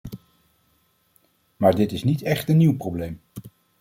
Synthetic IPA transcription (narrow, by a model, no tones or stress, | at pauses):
maːɹdɪtɪsnitɛχtənːiwprowblejm